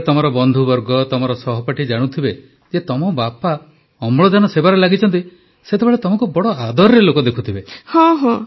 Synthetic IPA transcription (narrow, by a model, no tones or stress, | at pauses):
t̪ɔmɔɾɔbɔnd̪ʱubɔɾɡɔt̪ɔmɔɾɔsɔɦɔpaʈid͡ʒaɽ̃ut̪ʰibe | d͡ʒet̪ɔmɔbapa | ɔmɭɔd͡ʒanɔsebaɾelaɡit͡ʃʰɔnt̪i | set̪ebeɭet̪ɔmɔŋkubɔɽɔad̪ɔɾɾelokɔd̪ekʰu̥t̪ʰibehɔ̃ɦɔ̃